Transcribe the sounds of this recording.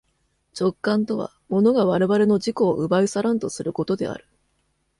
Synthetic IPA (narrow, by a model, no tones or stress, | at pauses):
t͡ɕo̞kːãnt̪o̞βa̰ | mo̞no̞ɡaβaɾe̞βaɾe̞no̞ʑiko̞ːʔɯ̟baisaɾãnt̪o̞sɨɾɯ̟ko̞t̪o̞d̪e̞̰a̰ɾɯ̟̥